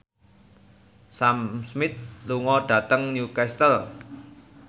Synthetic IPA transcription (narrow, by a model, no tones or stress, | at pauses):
samsmɪt̪̚luŋɔɖ̥ä̤t̪əŋnjukɛst̪əl